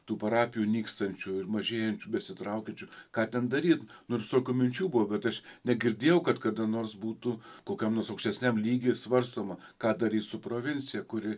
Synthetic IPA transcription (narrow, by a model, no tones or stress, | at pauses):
t̪uːpɐɾɑːpʲɪjuːnʲiːkst̪ɐnʲt͡ʃʲʊɪrmɐʒʲeːjɛnʲt͡ʃʲubʲɛsʲɪt̪ɾɐʊkʲɛnʲt͡ʃʲʊkɑːt̪ʲɛnd̪ɐɾʲiːt̪nʊsoːkʲuːmʲɪnʲt͡ʃʲuːbʊʋɐbʲɛt̪ɐʃnʲɛɡʲɪɾʲd̪ʲeːjɛʊkɐt̪kɐd̪ɐnoːrsbuːt̪ʊkoːkʲɛmnoɔsɐʊkʃʲt̪ʲɛsʲnʲæmlʲiːɡʲeːsʋɐrst̪oːmɐkɑːd̪ɐɾʲiːt̪sʊpɾoːʋʲɪnʲt͡ssʲɪjɛkʊɾʲɪ